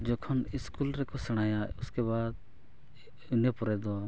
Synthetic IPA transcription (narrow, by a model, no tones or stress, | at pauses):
d͡ʒɔkʰɔniskulɾɛkɔsɛɽ̃ajaʊskebad̪̚ | unepɔɾɛd̪ɔ